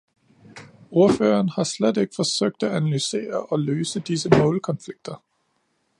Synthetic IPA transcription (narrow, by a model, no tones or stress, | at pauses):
o̝ɐfø̰ːɐnhɑ̈sled̥eɡ̥ə̥fɒ̽søɡ̥̚d̥æænælyse̝̰ːɐʔɒ̽løːsəd̥isəmɔ̰̽ːlkʰɒ̽nfliɡ̥̚d̥ɐ